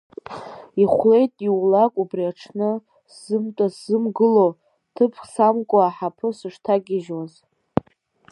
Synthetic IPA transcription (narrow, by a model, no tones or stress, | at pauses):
iχʷle̞jtʼiwlakʼubriaʈ͡ʂʰnɨ | szɨmtʼasɨmɡɨlo | tʰɨpʰsamkʷʼoaħapʰɨsɨʂtʰaɡʲɪʒwaz